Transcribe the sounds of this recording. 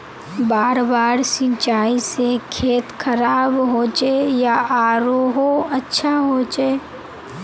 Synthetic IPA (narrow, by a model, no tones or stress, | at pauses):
baːɾbaːɾsɪ̃nt͡ʃaːisekʰeːt̪kʰəɾaːbɦoːt͡ʃejaaːɾoɦoɐtːʃʰaɦot͡ʃe